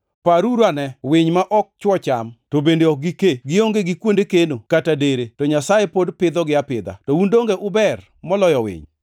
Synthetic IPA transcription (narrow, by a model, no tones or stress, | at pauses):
paɾuɾanɛwɪɲmaʔɔk̚t͡ʃwɔt͡ʃa̰mtobendeɔk̚ɡikeɡɪoŋɡeɡɪkwondekenokatadeɾetɔɲasajepodpɪd̪ɔɡɪapɪd̪a̰tɔundoŋɡeʔʊbɛr | mɔlɔjɔwɪ̰ɲ